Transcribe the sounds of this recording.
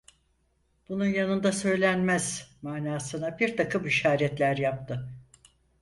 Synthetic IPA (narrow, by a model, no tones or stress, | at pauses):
b̥ununjanɯnd̪asø̞jlʲænmæz̥maːnaːsɯnabiɾt̪ʰakʰɯmiʃaːɾɛt̪lʲæɾjap̚t̪ʰɯ